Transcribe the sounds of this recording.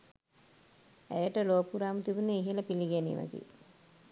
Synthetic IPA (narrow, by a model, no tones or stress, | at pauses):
æjəʈəloːpuɾaːmət̪ibuneiɦeləpiliɡænḭʋa̰t̪ḭ